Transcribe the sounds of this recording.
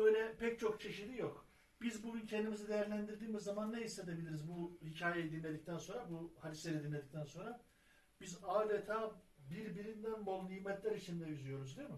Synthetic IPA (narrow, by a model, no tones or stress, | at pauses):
øjlʲɛpʰɛc̚t͡ʃʰo̞kt͡ʃʰe̞ʃid̪ijo̞k | bizbuɡyncʰɛnd̪imizid̪e̞jæɾlʲænd̪iɾd̪iːmizːamanːeɦise̞d̪ebilʲiɾizbuhicʰaːjejid̪inlʲe̞d̪ic̚t̪ʰænso̞nɾabuhad̪isɛɾɛd̪inlʲe̞d̪ic̚t̪ʰænso̞nɾa | bizaːd̪et̪ʰaːbiɾbiɾind̪ænbolˠnijːmɛt̪lʲæɾit͡ʃʰind̪ɛyzyjo̞ɾuzd̪ijmɯ